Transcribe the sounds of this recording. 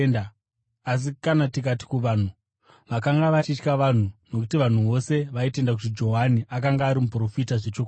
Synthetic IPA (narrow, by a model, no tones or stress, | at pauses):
na | as̬ikanatik̬ati̥kuʋaːn̤u | ʋakaŋɡaʋat͡ʃit͡ʃkaʋan̤uno̞k̬utiʋan̤uʋo̞se̞ʋaite̞ndak̬utid͡ʒo̞ɦaniʔakaŋɡaːɾimupro̞fitaʐe̞t͡ʃoka